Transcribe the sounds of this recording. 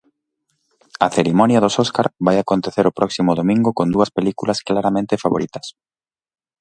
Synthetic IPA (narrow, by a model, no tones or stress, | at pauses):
ɐθeɾimɔnjɐðososkaɾβajakont̪eθeɾopɾʔɔksimʊðomĩŋɡʊkond̪uɐspelikulɐsklaɾamẽnt̪efaβoɾit̪ɐ̥s